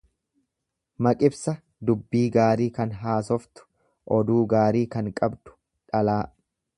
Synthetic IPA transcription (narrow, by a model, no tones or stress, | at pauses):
mɐkʼɪbsɐ | d̪ʊbːiːɡaːɾiːkɐnɦaːsɔft̪ʊ̥ | ʔɔd̪uːɡaːɾiːkɐŋkʼɐbd̪ʊ̥ | ᶑɐlaː